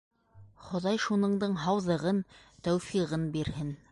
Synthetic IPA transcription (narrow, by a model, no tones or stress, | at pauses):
χŏðɑjʃunɤ̆ɴd̪ɤɴɦɑwðɤ̆ʁɤnt̪æwfiʁɤnbiɾhɘn